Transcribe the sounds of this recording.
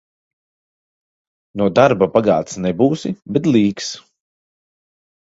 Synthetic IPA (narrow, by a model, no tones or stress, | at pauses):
nuɔd̪aɾbapaɡa̰ːt̪snɛbuːsibɛt̪̬liːks